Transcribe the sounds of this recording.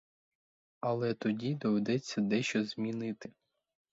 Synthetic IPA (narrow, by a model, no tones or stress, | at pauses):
ɐlˠɛt̪ɔdʲid̪ɔʋed̪ɛt͡sʲːɐd̪ɛʃt͡ʃɔzʲmʲinɪt̪ɪ